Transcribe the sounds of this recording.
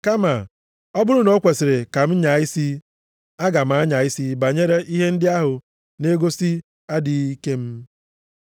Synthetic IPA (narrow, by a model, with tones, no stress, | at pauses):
ka˦ma˨ | ɔ˦bʊ˦ɾʊ˦no˦kʷe˨sɪ˨ɾe˨ka˨m̩˦ɲa˨ɪ˦si˦ | a˦ɡa˨m̩˨a˦ɲa˨ɪ˦si˦ba˨ɲe˦ɾe˦ʔi˦ɦe˦n̩˦dɪ˦a˦ɦʊ˨ | ne˦ɡo˦si˦ | a˦dɪ˨i˦ke˦m̩˦